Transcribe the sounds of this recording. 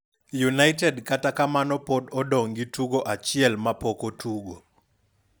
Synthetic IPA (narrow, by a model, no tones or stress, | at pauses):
junajtɛdkatakamanɔpɔdɔdoŋɡitʰuɡɔʔat͡ʃiɛlmapɔkotʰuɡɔ